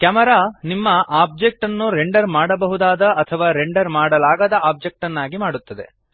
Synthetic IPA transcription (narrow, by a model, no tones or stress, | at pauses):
kɐmɐɾaːnimːɐʔaːb̚d͡ʒek̚ʈɐnːuɾeɳɖɐɾmaːɽɐbɐɦud̪aːd̪ɐʔɐt̪ʰɐʋaːɾeɳɖɐɾmaːɽɐlaːɡɐd̪ɐaːb̚d͡ʒek̚ʈɐnːaːɡimaːɽut̪ːɐd̪e̞̰